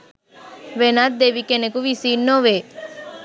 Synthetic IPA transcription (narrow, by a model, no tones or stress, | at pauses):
ʋenat̪̚d̪eʋikenekuʋisinːoʋe